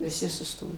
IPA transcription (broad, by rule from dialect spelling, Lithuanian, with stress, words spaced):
ʋʲɪˈsʲɪ sʊˈstoːjoː